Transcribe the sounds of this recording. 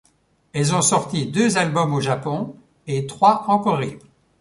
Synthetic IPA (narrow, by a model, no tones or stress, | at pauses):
ɛlzɔ̃sɔʁt̪id̪øzalbɔmoʒapɔ̃ | et̪χwaɑ̃kɔʁib